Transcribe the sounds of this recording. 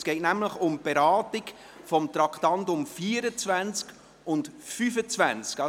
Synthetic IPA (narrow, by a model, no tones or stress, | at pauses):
sɡ̥ɛɪtnæmləχʊmb̥ɛɾɑːtɪk | fɔmt̪ɾɑkχtɑntʊmfiːəɾət͡svænt͡sk | ʊntfyfət͡svænt͡skɑ